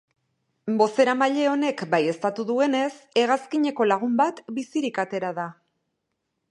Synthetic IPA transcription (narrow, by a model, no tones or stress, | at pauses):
bo̞se̞ɾamaʎe̞o̞ne̞kbaje̞st̪at̪uðue̞ne̞se̞ɣ̞askiɲe̞ko̞laɣ̞umbat̪bisiɾikat̪e̞ɾaða